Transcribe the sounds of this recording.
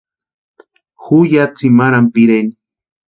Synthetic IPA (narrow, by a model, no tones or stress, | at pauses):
xujat͡simaɾampiɾeni